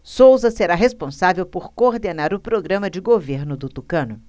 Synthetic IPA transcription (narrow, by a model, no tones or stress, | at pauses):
sowzɐseɾaɦespõsavewpoɾkoɾd̪enaɾʊpɾoɡɾɐ̃mɐd͡ʒɪɡoveɾnʊd̪ʊt̪ukɐ̃nʊ